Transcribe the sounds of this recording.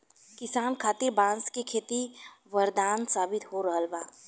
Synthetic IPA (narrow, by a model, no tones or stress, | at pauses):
kɪsaːnkʰaːt̪ɪɾbãːnskekʰeːt̪iʋəɾd̪aːnsaːbɪt̪ɦoɾəɦəlbaː